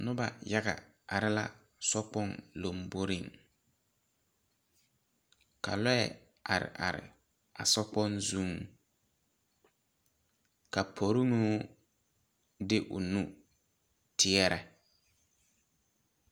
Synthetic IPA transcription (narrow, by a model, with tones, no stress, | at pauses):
nʊ˦ba˨ja˦ɣa˨ | a˨ɾɪ˦la̰˨ | sɔ˦k͡pɔ˦nlo˨mbo˦ɾɪ˦˨ŋ | ka̰˨lɔ˦ɛ˨ | a˨ɾɪ̰˨ʔa˨ɾɪ̰˨ | a˨sɔ˦k͡pɔ˦nzu˦ŋ | ka˨pʰo˨ɾɪ˦nuː˦ | dɪ˦ʔʊ˨nu˦ | tʰɪ˦ɛ˦ɾɛ˨